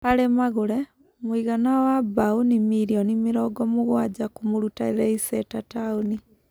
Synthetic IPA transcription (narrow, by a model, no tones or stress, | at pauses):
paɾemaɣoɾɛ | mwiɣanawabaonimiɾiɔnimeɾɔːɡɔmoɣwad͡ʒakomoɾutaeðɛisɛtataoni